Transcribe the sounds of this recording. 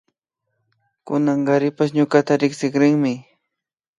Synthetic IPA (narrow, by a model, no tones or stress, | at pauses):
kʊnɑɴɢɑɾɪpaʃɲʊkat̪aɾɪksɪkɾɪŋmɪ